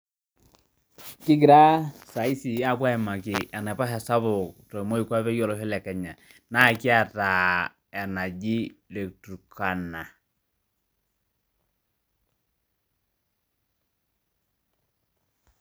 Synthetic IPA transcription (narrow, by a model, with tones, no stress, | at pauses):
kɪ˦k̬i˨ɾa˦sa˨i˦si˨ja˦˨bwa˦ɛ˨ma˨kɪ˨a˨nɛ˨pa˦ɦɛ˨sa˦βʊ˨ktɔ˨mo˦i˨kwa˦pɛ˦jɔ˦lɔ˦ɦi˦lɛ˨kɛ˨ɲa˨ | na˦ki˦a˨ta˨ | ɛ˨na˨d͡ʒi˦le˨k̚tu˨kʰa˨na˨